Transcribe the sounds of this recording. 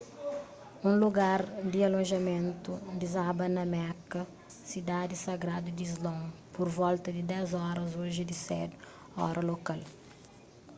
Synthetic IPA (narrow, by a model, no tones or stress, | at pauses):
ũluɡaɾd̪iɐlõʒɐmẽnt̪ud̪izabɐnɐmɛkɐ | sid̪ad̪isɐɡɾad̪ud̪izlõpoɾvɔlt̪ɐd̪id̪ɛzɔɾɐzoʒɪd̪isɛ̰d̪ | ɔ̰ɾʔɐlokal